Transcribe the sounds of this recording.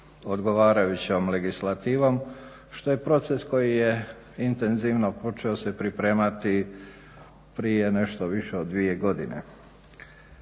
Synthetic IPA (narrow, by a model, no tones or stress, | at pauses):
o̞d̪ɡo̞ʋaːɾajut͡ɕomle̞ɡislˠat̪iːʋo̞m | ʃt̪o̞je̞pɾo̞t̪se̞sko̞jije̞ | int̪e̞nziʋno̞po̞t͡ʃeosepɾipɾe̞ːmat̪i | pɾijene̞ʃt̪o̞ʋiʃeod̪ːʋie̞ɡo̞d̪inḛ